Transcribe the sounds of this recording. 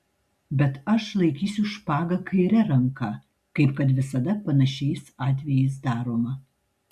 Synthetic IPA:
bʲɛt̪ɐʃlˠɐɪkʲiːsʲʊʃpɑːɡɐkɐɪɾʲɛɾɐŋkɐ | kɐɪpkɐt̪ʋʲɪsɐd̪ɐpɐnɐʃʲɛɪsɑːt̪ʲʋʲɛjɛɪs̬d̪ɑːɾoːmɐ

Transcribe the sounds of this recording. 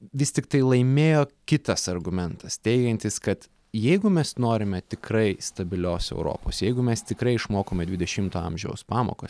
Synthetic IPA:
ʋʲɪsʲt̪ʲɪkt̪ɐɪlˠɐɪmʲeːjoːkʲɪt̪ɐsɐrɡʊmʲɛnt̪ɐst̪ʲɛɪɡʲɛnʲt̪ʲɪskɐt̪ | jɛɪɡʊmʲɛsnoːɾʲɪmʲɛt̪ʲɪkɾɐɪst̪ɐbʲɪlʲoːsɛ̰ʊɾo̰ːpo̰ːsjɛɪɡʊmʲɛst̪ʲɪkɾɐɪɪʃmoːkoːmʲɛd̪ʲʋʲɪd̪ʲɛʃʲɪmt̪oːɐ̰mʲʒʲɛ̰ʊspɑːmo̰ːkoːs

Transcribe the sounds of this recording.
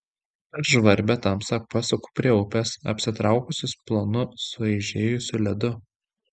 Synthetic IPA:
ɐʃʒʋɐɾʲbʲɛt̪ɐmsɑkpɑsʲokʊ̥pʲɾʲiɛʊpʲɛsɐ̰pʲsʲɪt̪ɾɑˑʊkʊsʲɪsplˠoːnʊsʊɐɪʒʲeːjʊsʲʊlʲɛd̪ʊ

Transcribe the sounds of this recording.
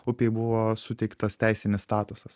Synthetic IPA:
ʊpʲeɪbʊʋoːsʊt̪ʲɛɪkt̪ɐst̪ʲæˑɪsʲɪnʲɪsst̪ɑːt̪ʊsɐs

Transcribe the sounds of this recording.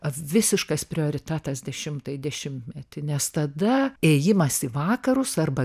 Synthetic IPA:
ʋʲɪsʲɪʃkɐspʲɾʲɪoːɾʲɪt̪ʲæːt̪ɐsd̪ʲɛʃʲɪmt̪ɐɪd̪ʲɛʃʲɪmt̪ʲmʲɛt̪ʲɪnʲɛst̪ɐd̪ɐeːjɪmɐsiʋɑːkɐɾʊsɐrbɐ

